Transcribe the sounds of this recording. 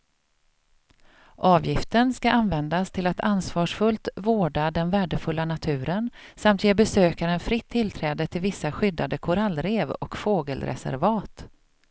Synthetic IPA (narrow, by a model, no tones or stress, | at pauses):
ʔɑːvjɪft̪ənskaʔanvɛnd̪ast̪ʰɪlat̪ʰansvɑːʂfɵlt̪voːɖad̪ɛnvæːɖəfɵlːanat̪ʰʉ̟ːɾənsamt̪jeːbɛsøːkaɾɛnfɾɪt̪ʰːɪlt̪ʰɾɛːd̪ət̪ʰɪlvɪsːaɧʏd̪ːad̪əkʰʊɾalːɾeːvɔ̰kfoːɡəlɾɛ̰sæ̰ɾvɑːt̪